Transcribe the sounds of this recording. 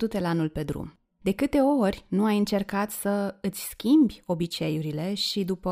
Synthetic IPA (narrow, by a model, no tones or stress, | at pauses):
d̪ut̪e̞lanulpe̞d̪ɾṵm | d̪e̞kɨt̪e̞o̞rʲnuajɨnt͡ʃe̞rkat̪səɨt̪sʲskʲimbʲo̞bit͡ʃe̞juɾile̞ʃid̪upə